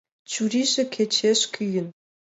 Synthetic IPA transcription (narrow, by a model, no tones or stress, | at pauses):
t͡ɕuɾʲiʒĕkʰet͡ɕeʃkʲyjɘ̆n